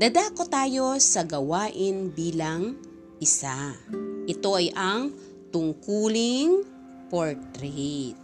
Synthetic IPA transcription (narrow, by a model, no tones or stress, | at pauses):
d̪ɐd̪akot̪aːjo̞sɐɡɐwaːʔɪnbiːlɐŋ | ʔɪsaʔɪt̪o̞ʔɐjʔɐŋ | t̪ʊŋkuːlɪŋ | poɹt̪ɾɛt̪̚